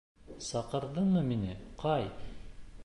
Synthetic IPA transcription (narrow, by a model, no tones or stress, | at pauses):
sɑqɤ̆ɾðɤɴmɤminɪqʰɑj